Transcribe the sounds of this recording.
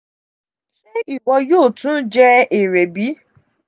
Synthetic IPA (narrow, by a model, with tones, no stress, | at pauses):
ʃe˦i˦˨wɔ˧joː˦˨tũ˦d͡ʒɛ˦e˨ɾe˨bi˨˦